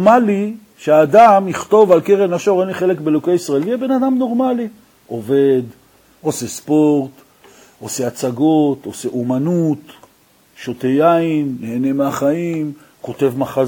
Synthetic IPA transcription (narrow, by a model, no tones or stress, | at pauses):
mali | ʃeaːd̪amiχt̪o̞valkeʁemaʃoʁenliχelekbelokejisʁaelvejɛbe̞nad̪amno̞ʁmali | ʔo̞ve̞d̪ | ose̞spo̞ʁt̪ | o̞se̞at͡saɡo̞t̪o̞seʔumanut̪ | ʃot̪ejaimːeːne̞meaχaim | ko̞t̪e̞vmaχa